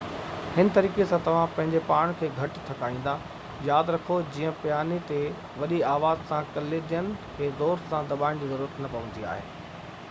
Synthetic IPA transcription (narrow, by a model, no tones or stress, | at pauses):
hɪnɪ̆t̪ɐɾiːkesãt̪ɐʋ̤ãpɐ̃ɦɪ̃ɲd͡ʑepaːɽ̃kʰeːɡʱɐʈt̪ʰːɐkaːĩːn̆d̪a | jaːd̪ɾɐkʰod͡ʑiːə̃pjaːnit̪e | ʋɐɗiaːʋaːzsãkɐled̪ijənɪ̆kʰeːzoːst̪sãd̪ɐɓaːɪɽ̃d͡ʑiːzɐɾuːɾət̪nɐpɐʋə̃n̆d̪ia̰ːɦḛː